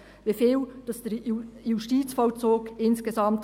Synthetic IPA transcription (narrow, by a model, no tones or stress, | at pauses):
ʋefeːld̥ɑsd̥ɛɾjuʃtiːt͡sfɔlt͡soːkɪnsɡ̥ezɑmt